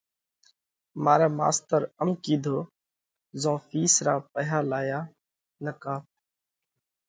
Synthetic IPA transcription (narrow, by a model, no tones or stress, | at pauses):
maːɾaːma̰ːst̪əɾəmkiːd̪ʱoː | zõːfiːsɾaːpəɦaːlaːjaː | nəkaː